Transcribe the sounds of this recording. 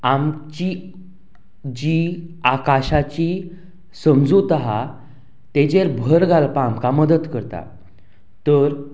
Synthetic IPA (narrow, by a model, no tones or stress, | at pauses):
amt͡ɕi | d͡ʑiakaɕat͡ɕi | səmd͡zut̪aɦa | t̪ed͡ʑeɾbʱəɾɡʱalpaamkaməd̪ət̪kəɾt̪a̰ | t̪əɾ